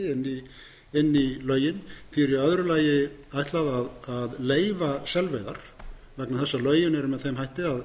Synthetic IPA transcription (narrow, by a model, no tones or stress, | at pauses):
ɪnːi | ɪnːilœːɥjɪnθiɛɾiœðɾʏlaːjɪajht̪laðaðaðleːjvasɛlvejðaɾ̥ | vɛknaθɛsːalœːɥjɪnɛɾʏmɛðθejmhajht̪ɪað